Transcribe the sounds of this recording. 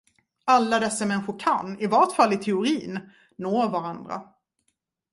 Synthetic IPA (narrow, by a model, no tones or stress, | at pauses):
alːad̪ɛsːamɛnɧʊɾkʰanːɪvaʈfalːɪt̪ʰɛʊɾiːnː | oːɾvaɾand̪ɾa̰